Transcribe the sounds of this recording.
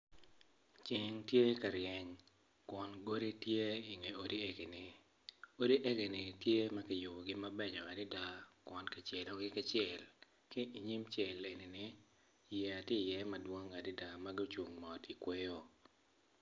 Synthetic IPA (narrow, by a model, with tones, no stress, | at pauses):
t͡ʃɪ˨ŋtje˦ka˨ɾjɛ˨ɲ | kwɔ˨nɡo˦ɾi˦tje˦i˨ŋe˨o˨di˦e˦ɡe˨nɪ˨ | o˦di˦ʔe˦ɡe˨nɪ˨tje˦mɐ˦kɪ˦jʊ˨bo˨ɡɪ˦mɐ˦bɛ˦ɲɔ˨a˨dɪ˦da˦kwɔ˨nkɪ˨t͡ʃjɛ˨lɔ˨ɡɪ˦kɪ˦t͡ʃjɛ˨l | kɪ˦ʔi˨ɲi˦mt͡ʃɛ˨le˨ni˨nɪ˦ | jɛ˨a˨tɪ˦˨jɛ˦mɐ˨dwo˦ŋa˨dɪ˦da˨ma˦ɡi˦t͡ʃu˨ŋmɔ˨ti˨kwe˦jo˦